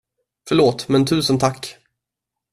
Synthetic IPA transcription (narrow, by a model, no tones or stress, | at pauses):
fœɭoːt̪mɛnt̪ʰʉ̟ːsənt̪ʰakː